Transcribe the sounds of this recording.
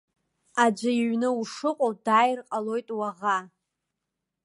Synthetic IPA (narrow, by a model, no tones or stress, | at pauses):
ad͡ʒʷaiɥnɨuʂɨqʼowd̥aːjrqʼalo̞jtʼwaʁa